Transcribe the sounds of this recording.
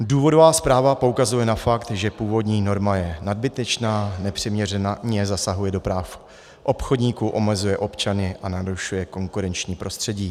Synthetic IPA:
duːvo̞do̞vaːspɾaːvapo̞ukazujɛnafakt̪ʒɛpuːvo̞dɲiːno̞ɾmajɛnad̚bɪt̪ɛt͡ʃnaːnɛpr̝̥ɛmɲɛrɛnaɲɛzasaɦujɛdo̞pɾaːf | ʔo̞pxodɲiːkuʔo̞mɛzujɛʔo̞pt͡ʃanɪʔanaɾuʃujɛko̞ŋkuɾɛnt͡ʃɲiːpɾo̞st̪r̥ɛɟiː

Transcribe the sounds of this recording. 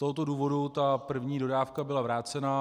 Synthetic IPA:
t̪oɦot̪o̞duːvo̞dut̪apr̩vɲiːdo̞daːfkabɪlavɾaːt͡sɛna

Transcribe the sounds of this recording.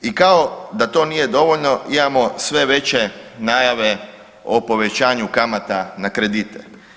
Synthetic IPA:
ikao̞d̪at̪o̞ːnije̞d̪o̞ʋoʎno̞imamo̞sʋe̞ʋe̞t͡ɕenajaʋe̞ | opo̞ʋe̞t͡ɕaːɲukamat̪anakɾe̞d̪it̪e

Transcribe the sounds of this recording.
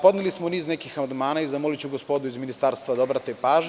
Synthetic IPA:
pod̪nelismoniːznekixamand̪maːnaizamolit͡ɕuɡospoːd̪uizminist̪aɾst̪ʋad̪obɾat̪epaːʒ

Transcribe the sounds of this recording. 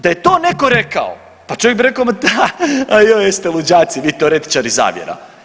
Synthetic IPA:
d̪aje̞t̪oːnekoɾeka̰o̰ | pat͡ʃojeɡbiɾekomat̪aajojest̪elud͡ʑaːt̪siʋiːt̪eoɾe̞t̪i̥t͡ʃaɾiza̰ːʋjḛɾa̰

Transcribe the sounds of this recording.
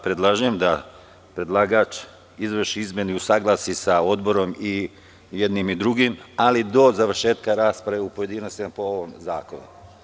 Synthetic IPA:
pɾed̪lˠaʒujemd̪a | pɾe̞d̪lˠaːɡaːt͡ʃ | izʋərʃiizmeniusaːɡlˠasisao̞d̪bo̞ɾo̞mi | jed̪nimid̪ɾuɡimalid̪o̞zaʋrʃe̞ːt̪kaɾaːspɾaʋeupoje̞d̪inost̪imapo̞oʋomzaːko̞nṵ

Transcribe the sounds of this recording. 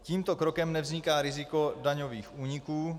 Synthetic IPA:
ciːmt̪okɾokɛmnɛvzɲɪkaːɾɪzɪko̞daɲo̞viːxʔuːɲɪkuː

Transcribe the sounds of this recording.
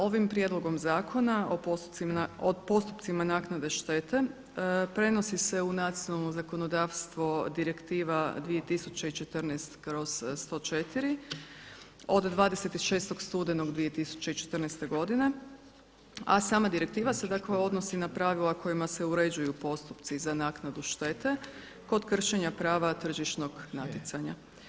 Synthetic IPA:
o̞ʋimpɾije̞d̪lˠo̞ɡo̞mzaːkʰo̞naooopo̞st̪up̪simanaːknad̪e̞ʃt̪e̞ːt̪e̞ | pɾe̞no̞sise̞unat̪sijonalˠno̞zako̞nod̪aːʋst̪ʋod̪iɾe̞kt̪iːʋad̪ʋije̞t̪isut͡ɕe̞it͡ʃe̞t̪rnɛst̪ɡɾo̞sst̪o̞ːt͡ʃe̞t̪iɾi | o̞d̪d̪ʋaːd̪ese̞t̪iʃe̞ːst̪o̞ɡst̪uːd̪eno̞ɡd̪ʋije̞t̪isu̥t͡ɕe̞it͡ʃe̞t̪r̩neɛst̪e̞ɡo̞d̪ine̞ | a̰saːmad̪iɾe̞k̚t̪iːʋase̞d̪akle̞o̞d̪no̞sinapɾaʋilako̞jimase̞uɾe̞d͡ʑujupo̞st̪upt̪sizanaːknad̪uʃt̪e̞ːt̪e̞ | ko̞d̪kr̩ʃe̞ɲapɾaːʋat̪r̩ʒiʃno̞ɡnat̪it̪saɲa

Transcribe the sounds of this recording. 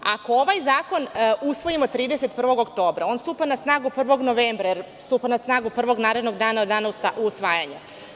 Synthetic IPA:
ako̞oʋajzaːko̞nusʋo̞imo̞t̪ɾiːd̪e̞set̪pr̩ʋo̞ɡokt̪o̞ːbɾao̞ːnst̪uːpanasnaːɡupr̩ʋo̞ɡno̞ʋeːmbɾajeɾ | st̪uːpanasnaːɡupr̩ʋo̞ɡnaːɾe̞d̪no̞ɡd̪aːnaod̪d̪aːnasauːsʋaːjaɲu

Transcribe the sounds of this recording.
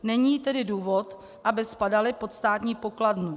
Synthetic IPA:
nɛɲiːt̪ɛdɪduːvo̞t̪ | ʔabɪspadalɪpo̞t̪st̪aːt̪ɲiːpo̞kladnu

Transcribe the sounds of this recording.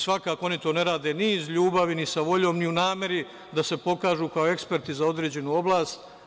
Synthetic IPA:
sʋakaːkoo̞nit̪o̞ːne̞ɾaːd̪eniːzʎuːbaʋinisaʋo̞ʎo̞ːmniunaːme̞ɾi | d̪ase̞po̞kaːʒuːkao̞e̞kspe̞ɾt̪izao̞d̪ɾeːd͡ʑe̞nuːo̞blaːst̪

